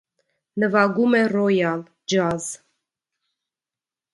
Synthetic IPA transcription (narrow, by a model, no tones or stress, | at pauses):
nəvɑɡumɛrɔjɑl | d͡ʒɑz